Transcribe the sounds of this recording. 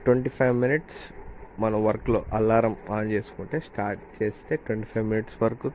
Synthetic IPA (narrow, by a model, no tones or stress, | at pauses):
ʈʋɐɳʈipʰɐjʋminiʈsmɐnɐʋɐɾklo̞̰ːʔɐlːaːɾɐmaːnt͡ʃe̞ːsu̥kuɳʈe̞ːsʈaːɾʈt͡ʃe̞ːst̪e̞ːʈʋeɳʈipʰɐjʋminiʈsʋɐɾɐku